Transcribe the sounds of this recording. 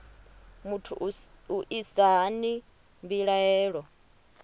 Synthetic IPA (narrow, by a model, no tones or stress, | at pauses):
mutʰṵʔuʔisaɦani | mbiɺaɛːɺɔ